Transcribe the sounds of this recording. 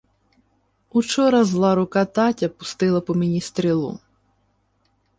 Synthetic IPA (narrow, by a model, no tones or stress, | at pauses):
ut͡ʃɔɾɐzlˠɑɾʊkɑt̪ɑtʲɐpʊ̥st̪ɪlˠɐpɔmʲinʲist̪ɾʲilˠṵ